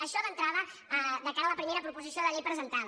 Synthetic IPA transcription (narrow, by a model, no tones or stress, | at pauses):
əʃɔðənt̪ɾaβə | ðəkaɾələpɾimeɾəpɾupuzisioðəʎejpɾəzənt̪að